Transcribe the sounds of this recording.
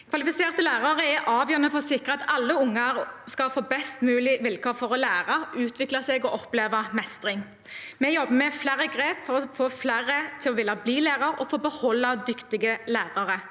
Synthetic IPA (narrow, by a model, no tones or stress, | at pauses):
kʰʋɑlɪfɪseːʁt̪əlæːʁɑʁəɛʔɑːʋjœːʁnəfɔʁsɪkʁəɑt̪ɑlːəʊŋːɑɾskɑlfoːbɛst̪mʉːlɪʋɪlkʰɔfɔʁɔlæːʁɑʔʉːt̪ʰʋɪklɑsɛːɡɔʔɔpleːʋɑmɛst̪ʁɪŋ | mɛjɔbːəmɛflæːɾəɡʁeːpfɔɾɔfoːflæːɾət̪ʰɪlɔʋɪlːɑbliːlæːʁɑɾɔ̰foːbəhɔlːɑd̪ʏkt̪ɪɡəlæːʁɑʁə